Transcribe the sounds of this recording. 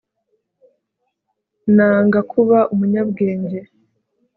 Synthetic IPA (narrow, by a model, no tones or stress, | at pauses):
naːŋɡakʰuβaʔumuɲabɡe̞ːɲɟe̞